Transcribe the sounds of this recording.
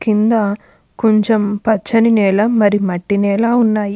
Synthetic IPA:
kind̪ɐ | koɲt͡ʃempɐt͡ʃːɐninɛːlɐmɐɾimɐʈːinɛːlɐunːaːji

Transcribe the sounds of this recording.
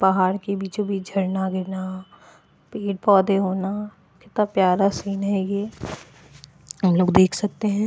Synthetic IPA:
pɐɦaːɾkebʱit͡ʃobʱid͡ʒʱɐɾnaɡɪɾna | peːɖ̚pɔːd̪eɦoːna | kɪt̪apjaːɾasiːnɦɛjeː | ɦɐmloːɡd̪eːkʰsɐk̚t̪eɦɛ̃ː

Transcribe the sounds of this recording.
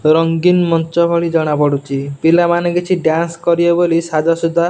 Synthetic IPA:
ɾɔŋɡinmɔnt͡ʃɔbʱɔɭid͡ʒɔɽ̃apɔɽut͡ʃʰibilamanɔ̃ɡit͡ʃʰiɖjanskɔɾiɔbolisad͡ʒɔsud̪ʱːa

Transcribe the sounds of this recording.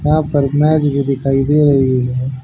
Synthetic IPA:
jɐɦãpɐɾmɛːd͡ʒbʱid̪ɪkʰaːid̪eːɾɐɦioɛ

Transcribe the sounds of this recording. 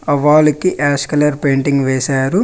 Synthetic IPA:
ɐʋaːlɐkiʔaːskɐlɐɾpeːɳʈiŋɡʋɛːsaːɾu

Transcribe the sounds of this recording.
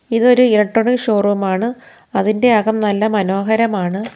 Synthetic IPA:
iðo̞ɾuiɾɐʈːoɳiʂo̞ːrumaːɳɨ | ɐðinde̞ɐɣɐmnɐlːɐmɐno̞ːɦɐɾɐmaːɳɨ

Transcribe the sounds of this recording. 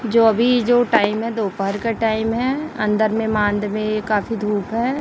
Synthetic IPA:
d͡ʒoːɐbʱid͡ʒoːʈaːɪmɦɛd̪oːpəɦəɾkaʈaːɪmɦɛɐ̃nd̪əɾmẽmãːnd̪mẽkaːfid̪ʱuːpɦɛː

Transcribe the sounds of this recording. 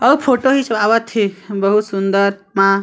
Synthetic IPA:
əupʰoʈoɦisəbaβət̪ʰːibəɦut̪sund̪əɾmã

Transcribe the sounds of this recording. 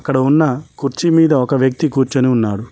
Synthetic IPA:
ɐkːɐɽɐunːɐkuɾt͡ʃimiːd̪ɐɔkɐʋjɐk̚t̪ikuːɾt͡ʃɐniunːaːɽu

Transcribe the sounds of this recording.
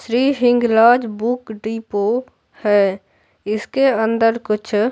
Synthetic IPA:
sɾiːɦɪ̃ŋɡlaːd͡ʒbʊkɖipo | hɛː | ɪskeə̃nd̪əɾkʊt͡ʃʰ

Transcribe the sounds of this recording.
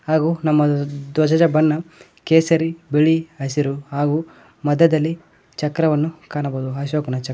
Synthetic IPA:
haːɡunɐmːɐd̪wɐd͡ʒɐd͡ʒɐbɐnːɐ | keːsɐɾibiɭiɐsiɾuɦaːɡu | mɐd̪ːɐd̪ɐlːi | t͡ʃɐkɾɐʋɐnːukaːnɐboːd̪uɐʃ̬oːkunɐt͡ʃɐ

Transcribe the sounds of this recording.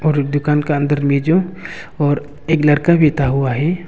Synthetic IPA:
ɔːɾd̪ʊkaːnkaə̃nd̪əɾmeːd͡ʒõ | ɔːɾ | eːklɐɽkabʱit̪aɦʊaɦɛː

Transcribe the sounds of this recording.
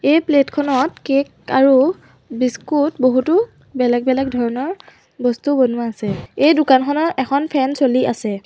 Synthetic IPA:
ejpletkʰɔnɔtkek | aɹu | biskutboɦutu | bɛlɛɡ̚bɛlɛk̚dʱɔɹɔnɔɹ | bɔstubɔnʊaːsɛejdʊkankʰɔnɔʔɛkʰɔnpʰɛnsoliʔasɛ

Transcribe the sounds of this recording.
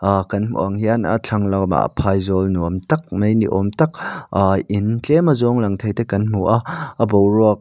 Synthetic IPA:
kɐnmṵʔɐŋhiana̰t͡ɬʰɐŋlɐwma̰ʔpʰajzɔlnuɐmtɐk̚mejniʔɔmtɐk̚aʔint͡ɬemɐzɔŋlɐŋt̪ʰɐjtekɐnm̥uʔaɐbowɾɔək̚

